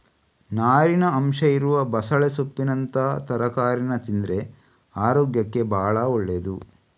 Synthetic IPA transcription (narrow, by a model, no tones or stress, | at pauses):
naːɾinɐɐmʃɐiɾuʋɐbɐsɐɭesopːinɐnt̪ɐt̪ɐɾɐkaːɾinɐt̪ind̪ɾe̞ | aːɾoːɡjɐkːe̞bʱaːɭɐoɭːed̪u